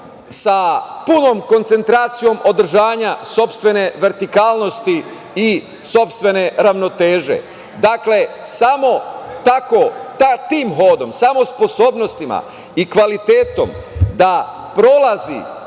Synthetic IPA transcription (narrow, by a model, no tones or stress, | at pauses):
sapuno̞ːmko̞nt̪se̞nt̪ɾaːt̪sijo̞mʔo̞d̪ɾ̩ʒaːɲaso̞pst̪ʋe̞ne̞ʋe̞ɾt̪ikaːlˠno̞st̪i | i | so̞pst̪ʋe̞ne̞ɾaʋno̞t̪eːʒe̞̰ | d̪akle̞samo̞t̪ako̞t̪at̪iːmɦo̞ːd̪o̞msamo̞spo̞so̞ːbno̞st̪ima̰ | ikʋalit̪e̞ːt̪o̞̰md̪a | pɾo̞lazḭ